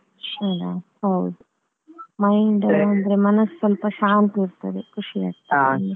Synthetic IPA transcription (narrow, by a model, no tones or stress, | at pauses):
aɽaːhɐwd̪u | mɐjɳɖɐɾɐnd̪ɾemɐnɐsːɐlpɐʃaːnt̪iɾt̪ɐd̪ekʰuʂia̰ːɡ̚t̪ane